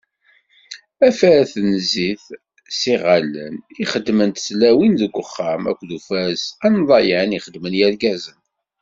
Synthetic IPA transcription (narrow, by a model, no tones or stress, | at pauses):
æfæθnziθ | siʁalːə̰niχəd̪ːmənt̪slæwinðəɡʷːəχːamæ̰kʷːðufæsænðˤɑjæniχəd̪mənjælɡæzən